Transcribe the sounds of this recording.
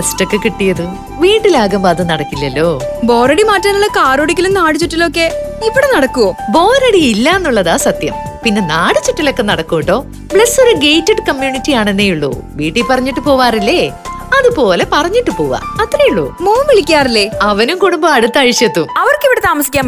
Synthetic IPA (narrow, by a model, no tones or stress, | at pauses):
ɐsʈokːekiʈːijɐðu | ʋiːɳɖilaːɣɐmbaːðɨnɐɽɐkːilːɐlːo̞ːbo̞ːɾɐɽimaːʈːɐnuɭːɐkaːɾoːɽikʲːilumnaːɽut͡ɕuʈːilokːe̞iʋːiɽenɐɽɐkːuobo̞ːɾɐɽiilːɐenːuɭːɐðaːsɐt̪jɐmpinːe̞naːɽut͡ɕːiʈːilo̞kːe̞nɐɽɐkːuʋiʈːo̞ː | bɭɐsoɾuɡe̞jtːɐɖkɐmjuːnitːijaːɳe̞nːejuɭːṵʋiːʈːipɐrɐɲːiʈːɨpo̞ːʋaːrilːe | ɐðupo̞ːle̞pɐrɐɲːiʈːɨpo̞ːɣɐ̰ɐt̪ːɾejuɭːṵmoːmiɭikʲːaːrilːe̞ɐʋɐnumkuɽumbɐɐɽut̪ːɐɻiɕjɐt̪ːumɐʋɐrkiʋiɽet̪aːmɐsi̥kʲːaːm